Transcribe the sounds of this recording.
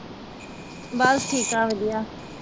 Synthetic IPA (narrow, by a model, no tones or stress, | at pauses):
basʈʰiːkãːʋed̪ijaː